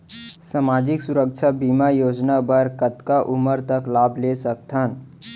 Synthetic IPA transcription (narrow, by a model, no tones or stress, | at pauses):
samad͡ʒiksuɾək̚t͡ʃʰabimajod͡ʒnabəɾkət̪kaʔuməɾt̪əklabʱlesəkt̪ʰən